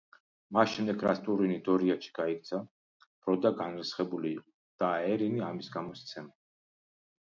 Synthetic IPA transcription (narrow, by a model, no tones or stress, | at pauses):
masʃɛmd̪ɛɡɾasʰt̪ʼuɾinid̪ɔɾiaʃi̥ɡ̥aik̚t̪sʰa | b̥ɾɔd̪aɡanɾisχɛbuliː | d̪̥aɛɾiniamisɡamɔst̪sʰɛma